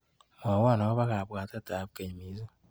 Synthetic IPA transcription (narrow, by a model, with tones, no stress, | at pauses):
mo˨wa˦˨nɔ˨˦βa˦ɣa˨bʷa˨ta˦ta˨bke˨ɲ˨mi˨˦zu˦